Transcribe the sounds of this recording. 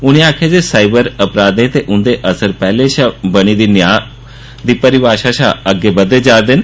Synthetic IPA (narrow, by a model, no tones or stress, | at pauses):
ʊñẽaːkʰeːd͡ʒeːsaːɪbəɾəpɾaːd̪ẽːt̪eːʔʊnd̪eːʔəsəɾpɛːleːʃabəɽ̃iːd̪iːnɪjãː | d̪iːpəɾɪʋaːʃaːʃaːəɡːeːbəd̪eːd͡ʒaːɾd̪ɪn